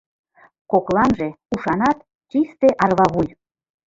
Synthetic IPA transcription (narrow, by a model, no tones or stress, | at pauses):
koklɑnʒe | uʃɑnɑt̪ | t͡ɕist̪eʔɑrβɑβuj